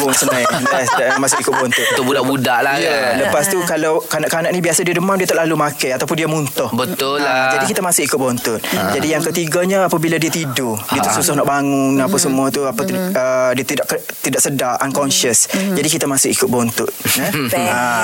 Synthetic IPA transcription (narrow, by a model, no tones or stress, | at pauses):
bʊnsənajat̪asdamãsʊkikʊt̪̚bɔnt̪ʊt̪̚t̪ʊbudaʔbudaʔlajələpast̪ukalawkanaʔkanaʔnĩbiasadiədəmandiət̪aʔ̚lalumãkajat̪awpʊndiamunt̪ɔhbət̪ʊld͡ʒdikit̪amãsʊkikʊt̪̚bɔnt̪ʊt̪̚d͡ʒadijaŋkət̪iɡaɲaapabiladiət̪idodiat̪susʊhnɔʔbaŋʊnapasəmuat̪uapat̪uədiat̪idaʔkt̪idaʔksədaʔankɔnʃəsd͡ʒadikit̪amasʊkikʊt̪̚bɔnt̪ʊt̪̚nəa